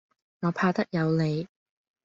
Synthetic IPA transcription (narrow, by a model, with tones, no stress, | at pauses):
ŋɔː˨˧pʰaː˧t̪ɐ˥k̚jɐ˨˧wle˨˧j